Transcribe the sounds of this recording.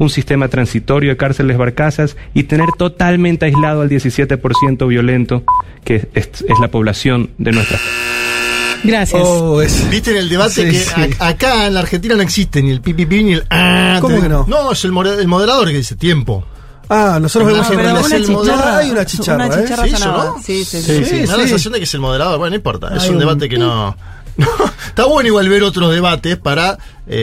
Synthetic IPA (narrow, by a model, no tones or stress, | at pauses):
unsist̪e̞mat̪ɾansit̪o̞ɾjoðekaɾse̞lezβaɾkasasit̪e̞ne̞ɾt̪o̞t̪almẽnt̪eajzlaðoald̪je̞sisje̞t̪epo̞ɾsje̞nt̪o̞βjo̞le̞nt̪o̞ | keezlapo̞β̞lasjo̞nd̪e̞nwe̞st̪ɾa̰pa | ɡɾasjaosesbist̪eːne̞ld̪e̞β̞at̪eeakaenlaɾxent̪̬inano̞eksist̪enie̞lpipipinielaoekenonoeselmoelmo̞ð̞eɾaðo̞ɾkeðiset̪je̞mpo̞̰ | anosot̪ɾoβɾemosapɾaeelmoðeaajunat͡ʃit͡ʃarnaaeasaisonosisisisieðaasesas̬jo̞nd̪ekese̞lmo̞ð̞eɾaðoɾwenoĩmpo̞ɾt̪a̰esund̪eβat̪ekeno̰ | not̪aβwenoiɣwalβe̞ɾo̞t̪ɾozðeβat̪espaɾa | ḛ